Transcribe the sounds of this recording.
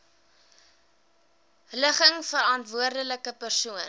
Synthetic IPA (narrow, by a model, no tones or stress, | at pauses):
ləχəŋfəɾɑntvuərdələkəpərsuən